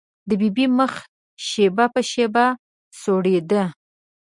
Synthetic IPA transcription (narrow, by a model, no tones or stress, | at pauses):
d̪əbibiməx | ʃebapəʃeba | soɽed̪ə